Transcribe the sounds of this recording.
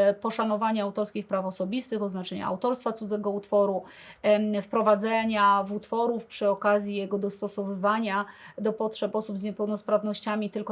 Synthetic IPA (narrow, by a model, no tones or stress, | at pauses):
pɔʂanɔvaɲaawt̪ɔɾskʲixpɾafɔsɔbʲist̪ɘxɔznat͡ʂɛɲa̰a̰wt̪ɔɾst̪fat̪sud̪zɛɡɔut̪fɔɾu | fpɾɔvad̪zɛɲavut̪fɔɾufpʂɘɔkazʲjijɛɡɔd̪ɔst̪ɔsɔvɘvaɲad̪ɔpɔtʂɛpɔsubzɲɛpɛwnɔspɾavnɔɕt͡ɕamʲit̪ɘlkɔ